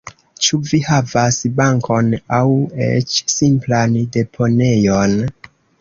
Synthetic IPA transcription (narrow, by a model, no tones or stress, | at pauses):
t͡ʃuvihavasbaŋkʰo̞nawḛt͡ʃsimplande̞pʰo̞ne̞jon